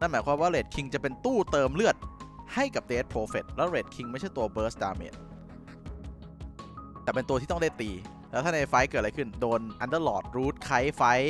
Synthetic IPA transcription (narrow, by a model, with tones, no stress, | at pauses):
na˥˩nmaː˩˦jkʰwaː˧mwaː˥˩ɾeː˨˩t̪̚kʰi˧ŋt͡ɕa˨˩pe˧nt̪uː˥˩t̪ɤː˧mlɯ˥˩ət̪̚ha˥˩jka˨˩p̚deː˧˦˥t̪̚pʰoː˧fe˨˩t̪̚lɛː˦˥wɾeː˨˩t̪̚kʰi˧ŋma˥˩jt͡ɕʰa˥˩jt̪u˧ɐbɤː˨˦˥sdaː˧mḛː˨˩t̪̚ | t̪ɛː˨˩pe˧nt̪u˧t̪ʰiː˥˩ɔ˥˩da˥˩jt̪iː˧ | lɛː˦˥wt̪ʰaː˥˩na˧jfa˦˥jkɤ˨˩ʔa˧jkʰɯ˥˩ndoː˧nʔa˧ndə˥˩lɔː˨˩t̪̚ɾuː˦˥t̪̚kʰa˦˥jfa˦˥j